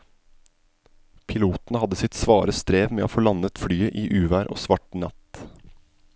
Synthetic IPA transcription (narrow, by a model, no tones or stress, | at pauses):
pʰɪluːt̪n̩əhɑd̪əsɪt̪sʋɑːɾəst̪ɾeːʋmeːo̰ːfoːlɑnət̪fɽyːəʔiːʔʉːʋæːɾʔo̰ːsʋɑʈnɑt̪